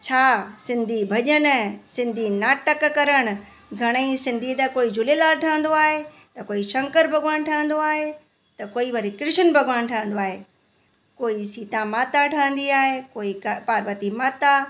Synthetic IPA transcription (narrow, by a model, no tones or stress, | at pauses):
t͡ɕʰaːsɪ̃nd̪ʱibʱɐʄən̆sɪ̃nd̪ʱinaːʈəkkɐɾəɽ̃ʊ̆ | ɡʱɐɽ̃əĩsɪ̃nd̪ʱit̪ɐkoːid͡ʑʱʊlelaːlʈʰãːə̃n̆d̪oaːɦe | t̪ɐkoːiʃɐ̃ŋkəɾbʱɐɡaːñʈʰə̃ə̃n̆d̪oaːɦe | t̪ɐkoːiʋɐɾikɾɪʃənbʱɐɡʱʋaːñʈʰãːə̃nd̪oaːɦeː | koːisiːt̪ãmaːt̪aʈʰãːə̃n̆d̪iaːɦekoːikpaːɾʋəɾt̪imaːt̪a